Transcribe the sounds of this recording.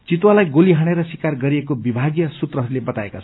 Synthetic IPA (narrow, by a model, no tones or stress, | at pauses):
t͡sit̪walajɡoliɦʌɽ̃eɾʌsikarɡʌɾiekobibʱaɡjʌsut̪rʌɦʌɾulebʌt̪aekat͡sʰʌ